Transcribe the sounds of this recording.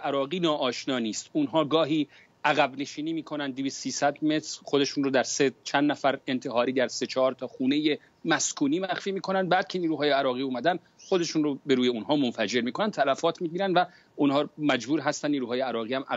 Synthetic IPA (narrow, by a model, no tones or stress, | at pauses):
ʔæɾɒːɣiːnɒːʔɒːʃnɒːniːst̪unɦɒːɡɒːɦiː | ʔæɣæbne̞ʃiːniːmiːkʰo̞nænd̪ːiviːst̪siːsæd̪me̞t̪ʰɾxod̪e̞ʃuːnrod̪æɾset͡ʃʰænd̪næfæɾe̞nt̪ʰeɦɒːɾiːd̪æɾse̞t͡ʃʰɒːɾt̪ʰɒːxuːne̞je | mæskʰuːniːmæxfiːmiːkʰo̞nænd̪̚bæːd̪̚cʰe̞niːɾuːɦɒːjeæɾɒːɣiːuːmæd̪ænd̪ | χo̞d̪e̞ʃunrobe̞ɾuːje̞unɦɒːmonfæd͡ʒe̞ɾmiːkʰo̞nænt̪ʰælæfɒːt̪ʰmiːɟiːɾænd̪væ | unhɒːmæd͡ʒbuːɾɦæst̪ænːniːɾuːɦɒːjeæɾɒːɣiːhæmʔæ